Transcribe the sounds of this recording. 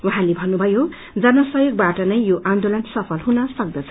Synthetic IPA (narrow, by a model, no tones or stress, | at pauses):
wuɦãlebʱʌnːubʱʌjo | d͡zʌnʌsʌjoɡ̚baʈʌnʌjːjoʔãnd̪olʌnsʌpʰʌlɦunʌsʌk̚d̪ʌt͡sʰʌ